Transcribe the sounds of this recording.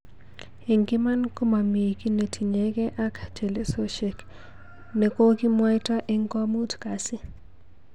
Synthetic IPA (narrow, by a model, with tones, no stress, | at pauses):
e˨ŋɡɪ˦ma˦nku˦ma˨mi˨ki˦ne˨tʰi˨ɲeɡɛ˦ʔa˦ktʰe˨le˦so˦ʃe˨k | ne˨ko˦ki˦mwa˦jta˦ʔɪ˦ŋkɔ˦mu˦tka˨sɪ˦